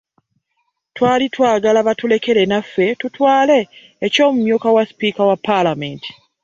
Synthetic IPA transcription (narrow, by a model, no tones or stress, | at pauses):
twaːlitwaːɡalaβatule̞ke̞le̞nafːe̞tutwaːle̞ː | co̞ːmumjuːkawaspiːkawapːalamentʰi̥